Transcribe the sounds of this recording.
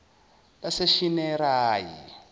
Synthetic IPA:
taseʃinɛɾaːjḭ

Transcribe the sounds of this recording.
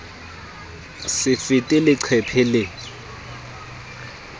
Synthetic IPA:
sɪfɪtʼɪlɪǀʰɛpʰɛlɪ

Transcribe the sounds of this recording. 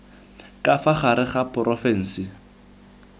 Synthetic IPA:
kʼafaχaɾɪχapʰʼɔrʔɔfɛn̩sɪ

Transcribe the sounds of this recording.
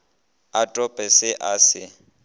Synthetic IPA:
atʼɔpʼɛsɪʔasɪ

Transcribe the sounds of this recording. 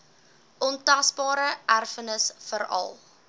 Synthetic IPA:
ʔɔntɐsbɑːɾəʔærfənəsfəɾɐ̰lˠ

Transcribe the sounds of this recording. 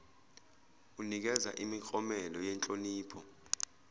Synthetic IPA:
unik̬ɛza̰ʔimik͡xʼɔmɛlɔjɛnt͡ɬʼoniːpʰɔ

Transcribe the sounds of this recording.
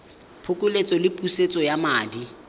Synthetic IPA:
pʰʊkʼʊlet͡sʼɔlɪpʼuset͡sʼɔjamaːdi

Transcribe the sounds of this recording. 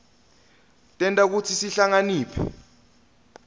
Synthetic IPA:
tʼɛntʼak̬ut͡sʰisiɬaŋaniːpʰɛ̰

